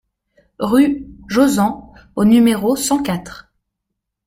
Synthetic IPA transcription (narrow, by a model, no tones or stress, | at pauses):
ʁyʒozɑ̃ | onymeʁosɑ̃kat̪χ